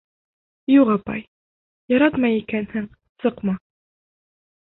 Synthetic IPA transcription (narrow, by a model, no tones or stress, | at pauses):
juʁɑpɑ̰j | jɑɾɑt̪mɑjikænhɘŋ | sɤqmɑ